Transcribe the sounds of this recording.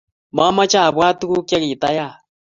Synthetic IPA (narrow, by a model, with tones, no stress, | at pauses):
ma˦ma˦t͡ʃa˦˨βwa˦tu˦ɣu˦kja˦ɣi˨ta˦ja˦˨